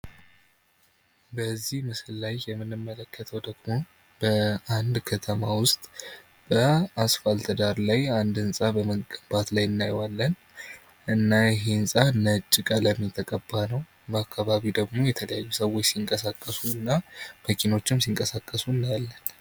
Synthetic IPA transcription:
bəzːihmɨsɨlːajːɛmːɨnɨmːələkːət̪ʰəwd̪əɡmo̞ | bəand̪kʰət̪ʰəmawʊst̪ʼ | b̥əasfalt̪ʰəd̪aɾlajand̪ɨnsʼabəməɡəmb̥at̪lajɨnːajwalːən | ʔɨnːajɛɦe̞ɨnsʼanət͡ʃʼːɪkʼələmːit̪ʰəkʼəbːanəw | bəakʰːaβaβid̪əɡmo̞jɛt̪ʰələjajːusəwot͡ʃːsiŋkʼəsakʼːəsuɨnːaməkʰino̞t͡ʃːɪmsiŋkʼəsakʼːəsuɨnːajalːən

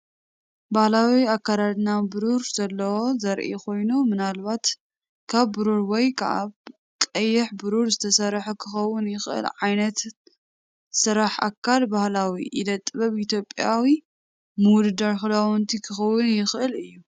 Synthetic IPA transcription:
bahlawiakːaɾad̪nabɨɾuɾzɐlːɐwozɐɾʔḭkʰo̞jnumɨnalβat̪ | kʰaβːɨɾuɾwɔjkʰɐʔa̰β | kʼɐjːɪħbɨɾuɾzɨt̪ʰɐsɐɾːħɐkʰɨxɐwːʊnjɪxʔɨ̰lʕajnɐt̪ | sɨɾaħa̰kʰːalbahlawḭʔid̪ɐt̪ʼːɨβɐβʔit̪ʰjo̞pʼjawi | mɨwʊd̪ɨd̪aɾxɨlawunt̪ʰikʰɨxɐwːʊnjɪxʔɨlɨjːu

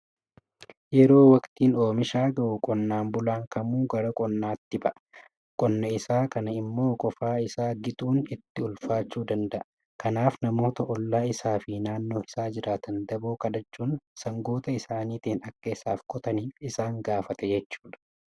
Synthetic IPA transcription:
jɛɾo̞ːwɐkt̪iːno̞ːmɪʃaːɡɐʔʊkʼɔnːaːmbʊlaːŋkɐmuːɡɐɾɐkʼɔnːaːt̪ːɪbɐʔ | kʼɔnːɐɪsaːkɐnɐɪmːo̞ːkʼɔfaːɪsaːɡɪt̪ʼuːnɪt̪ːɪʊlfaːt͡ʃːuːd̪ɐnd̪ɐʔɐ | kɐnaːfnɐmo̞ːt̪ɐʔɔlːaːɪsaːfinaːnːo̞ːɪsaːd͡ʒɪɾaːt̪ʰɐnd̪ɐboːkɐd̪ɐt͡ʃːuːnsɐŋɡoːt̪ɐɪsaːniːt̪iːnɐkːɐɪsa̰ːfkʼɔt̪ɐniːfɪsaːŋɡaːfɐt̪ɛd͡ʒɛt͡ʃːu̥ːᶑ̪ɐ̥

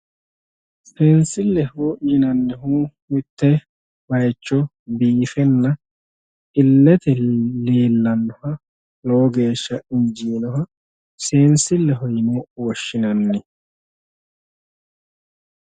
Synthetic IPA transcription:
seːnsɪlːɛhujɪnɐnːɛɦumɪt̪ːɛ | bɐjt͡ʃːɔ | biːfɛnːɐ | ɪlːɛt̪ɛleːlːɐnːɔhɐ | loːɡe̞ːʃːɐɪɲd͡ʒiːnɔɦɐ | seːnsɪlːɛɦɔjɪnɔwɔʃːɪnɐnːɛ

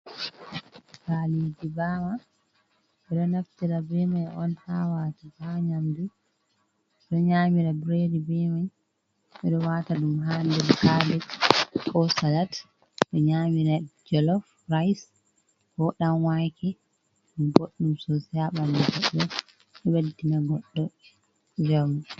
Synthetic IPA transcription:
kalidibama | ɓɛɗɔnaftiɾabɛmajɔnhawatibaɲamdu | ɗɔɲamiɾabɾedibɛmaj | ɓɛɗɔwataɗumɦandɛlkalɛtkʰɔsalat | ɗɔɲaːmiɾad͡ʒɛlɔf | ɾajs | kɔɗamwajkɛ | ɗboɗːumsɔsiaɓandɛɡɔɗːɔ | ɛweddinaɡɔɗːɔ | d͡ʒami

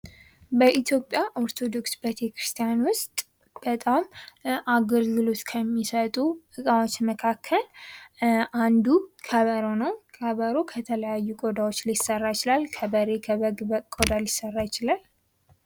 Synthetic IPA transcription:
bəʔit̪ʰjo̞pʼjaʔo̞ɾt̪ʰo̞d̪o̞ksbət̪ʰekɾɨst̪ʰijanwʊst̪ʼ | b̥ət̪ʼamʔaɡəlɡɨlo̞t̪kʰəmːisət̪ʼuʔɨkʼawo̞t͡ʃːməkʰakʰːəl | ʔand̪ukʰəβəɾonəwkʰəβəɾokʰət̪ʰələjajːukʼo̞d̪awo̞t͡ʃːlisərːajɪt͡ʃɪlalkʰəbəɾe̞kʰɡkʼod̪alɪsːərːajɪt͡ʃɪlal

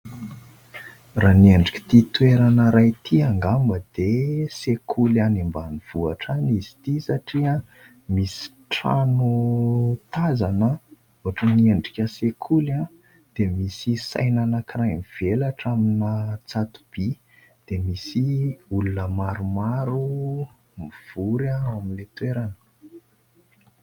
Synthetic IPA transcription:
ranieɳɖ͡ʐikʲi̥t̪it̪ueɾanəɾajt̪ʰiaŋɡambəd̪̥esekʰulanimbaniv̥ua̰ʈ͡ʂanizi̥t̪isaʈ͡ʂiə | misi̥ | ʈ͡ʂa̰nu | t̪azanə | uaʈ͡ʂənieɳɖ͡ʐikʲəsekʰula | d̪̥emisisa̰jnanakirajmiv̥elaʈ͡ʂaminət͡sat̪u̥b̥i | d̪̥emisiulunəmaɾumaɾu | miv̥uɾaamilet̪weɾanə̥

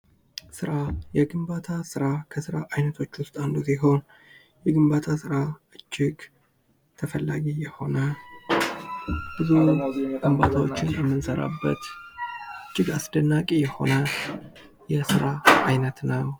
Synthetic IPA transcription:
sɨɾajɛɡɨmbat̪ʰasɨɾakʰəsɨɾaʔajnət̪ʰo̞t͡ʃːwʊst̪ʼand̪usiɦo̞n | jɛɡɨmbat̪ʰasɨɾaʔɨt͡ʃʼːɪɡ | t̪ʰəfəlːaɡijɛho̞nə | b̥ɨzuɡɨmba̰t̪ʰawo̞t͡ʃːɪnjɛmːɨnsəɾa̰bːə̰t̪ | ɨt͡ʃʼːɪɡasd̪ənːakʼijɛho̞̰nə | jɛsɨɾaajnət̪nəw

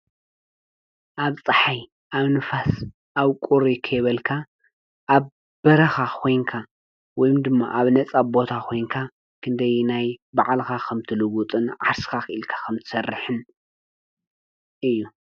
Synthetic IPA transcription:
ʔaβt͡sʼɨħaj | ʔaβnɨfas | ʔaβkʷʼuɾikʰɐjβɐlkʰa | ʔːβ | b̥ɐɾɐxakʰo̞jŋkʰa | wɔjmd̪ɨmːaʔaβnɐt͡sʼabo̞t̪ʰakʰo̞jŋkʰa | kʰɨnd̪ɐjnajbaʕalxakʰɐmt̪ʰɨlɨɡut̪ʼɨnʕaɾsɨ̥xakɨʔɨlkʰḁkʰɐmt̪ʰɨ̥sɐrːɨħɨn | ʔɨjːu

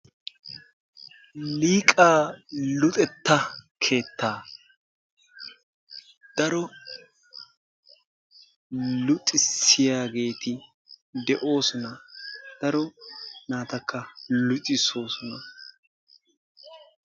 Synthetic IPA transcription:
liːkʼaːlʊt̪ʼɛt̪ːɐkʰe̞ːt̪ːaː | d̪̥ɐɾɔ | lʊt̪ʼɪsɪjaːɡe̞ːt̪ɪ | d̪ɛʔo̞ːsɔnɐd̪̥ɐɾɔnaːt̪ɐkʰːɐlʊtʼɪso̞ːsɔnɐ

